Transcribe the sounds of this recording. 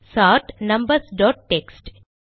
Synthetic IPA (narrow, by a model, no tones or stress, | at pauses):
saːɾʈnɐ̃mbəɾsɖɔːʈ̚ːeksʈ